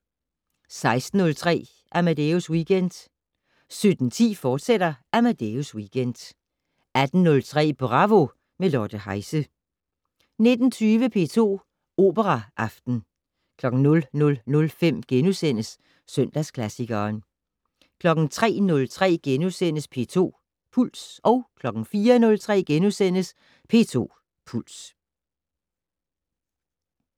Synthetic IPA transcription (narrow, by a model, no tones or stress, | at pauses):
sɑ̈ɪsd̥n̩ɔ̽lt͡sʰʁɛ̰ː | ʔæmæd̥euswiːɡ̥end̥ | sød̥n̩t͡sʰḭːfɒːd̥sed̥ɐʔæmæd̥euswiːɡ̥end̥ | æd̥n̩nɔ̽lt͡sʰʁɛ̰ːb̥oʁɑ̈ʋo̝ | melɒd̥əhɑ̈ɪsə | ne̝d̥n̩t͡sʰyːʋəpʰe̝̰ːt͡sʰo̝̰ː | o̝̰ːb̥əʁɑʔɑ̈fd̥n̩ | kʰlɒ̽ɡ̥n̩nɔ̽lnɔ̽lnɔ̽lfem̰ɡ̥enusen̰əsː | œn̰d̥æskʰlæsiɡ̥ɐːn | kʰlɒ̽ɡ̥n̩t͡sʰʁɛ̰ːnɔ̽lt͡sʰʁɛ̰ːɡ̥enusen̰əspʰe̝̰ːt͡sʰo̝̰ː | pʰul̰sʔɒ̽ʊkʰlɒ̽ɡ̥n̩fiːɐnɔ̽lt͡sʰʁɛ̰ːɡ̥enusen̰əs | pʰe̝ːt͡sʰo̝̰ː | pʰul̰s